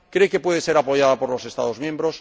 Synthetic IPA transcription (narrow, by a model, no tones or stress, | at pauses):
kɾekepwe̞ðese̞ɾapo̞ʝaðapo̞ɾlo̞se̞st̪a̰ðo̞zmjẽmbɾos